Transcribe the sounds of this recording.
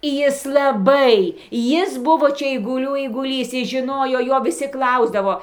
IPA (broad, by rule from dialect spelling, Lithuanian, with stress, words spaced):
ˈjɪs lˠɐˈbɐɪ ˈjɪs ˈbʊʋoː ˈt͡ʃʲɛ ɛɪɡʊˈlʲuː ɛɪɡʊˈlʲiːs ˈjɪs ʒʲɪˈnoːjoː ˈjoː ʋʲɪˈsʲɪ ˈklˠɐʊzdɐʋoː